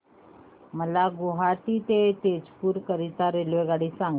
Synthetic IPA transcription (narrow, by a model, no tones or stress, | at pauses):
məlaɡoɦaʈiːt̪et̪ed͡zpuːɾkəɾit̪aɾelʋeɡaɽiːsãŋɡ